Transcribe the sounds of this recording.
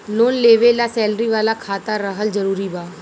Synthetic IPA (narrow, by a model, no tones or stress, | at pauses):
loːnleːʋelasɛːlɾiʋaːlakʰaːt̪aɾəɦəld͡ʒəɾuːɾibaː